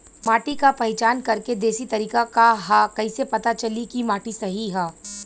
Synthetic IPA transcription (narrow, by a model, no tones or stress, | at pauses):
maːʈikapɐɦɪt͡ʃaːnkɐɾked̪eːsit̪ɐɾiːkakaɦakɐisepɐt̪at͡ʃɐlikimaːʈisɐɦiɦɛː